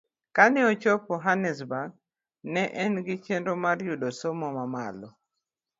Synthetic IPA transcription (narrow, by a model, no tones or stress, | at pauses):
kanɛɔt͡ʃɔpɔɦanɛs̬baɡ̚ | nɛʔɛnɡɪt͡ʃendomarjudosomɔmama̰lɔ